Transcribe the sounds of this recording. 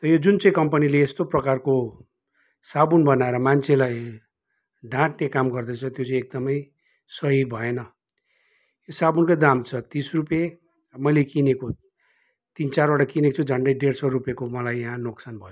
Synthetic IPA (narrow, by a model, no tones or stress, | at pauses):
t̪ʌjod͡zunt͡sʌĩkʌmpʌnileːst̪oprʌkarko | sabunbʌnaeɾʌmant͡sʰelaj | ɖãʈnekamɡʌrd̪ʌt͡sʰʌt̪jot͡saĩek̚d̪ʌmʌj | sʌɦibʱʌenʌ | josabunkojd̪amt͡sʰʌt̪isrupje | mʌjlekineko | t̪int͡sarwaʈakinet͡sʰud͡zʱʌɳɖʌjɖeɽsʌrupjekomʌlajːãɦãnoksanbʱʌjo